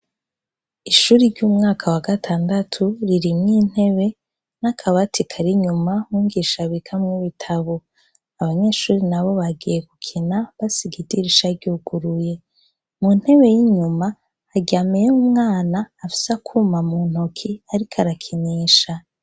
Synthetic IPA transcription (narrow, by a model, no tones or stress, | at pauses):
iʃuːɾiɾɟuːmŋaːkʰawaɡatʰaːndatʰuɾiɾimŋiːn̥he̞βe̞ | nakʰaβatikʰaɾiɲumahuːŋɡiʃaβikʰamŋiβitʰaβo | aβaɲe̞ːʃuːɾinaβo̞βaɡije̞ɡukʰinaβasiɡidiɾiʃaɾɟuːɡ̥uɾuje̞ | mun̥he̞βe̞jiɲumaː | ɟiaːmejeumŋaːnaːfi̥sakʰuːmamun̥hokʰiaɾikʰaɾakʰiniːʃa